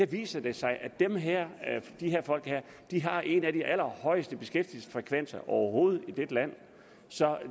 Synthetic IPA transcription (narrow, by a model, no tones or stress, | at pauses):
eʋḭːsɐd̥e̝sɑ̈ɪʔæd̥emɦɛɐ̰d̥ihɦe̝ɐ̰fɒ̽l̰ɡ̥heɐ̰ | d̥iɦɑ̈ʔe̝næd̥iʔæl̰ɐhɒ̽ɪəsd̥əb̥e̝sɡ̥efd̥il̩sfʁɛkʰʋen̰sɐʔɒʊɐɦo̝ːð̞̩ˠid̥ed̥læn̰ | sɒ̽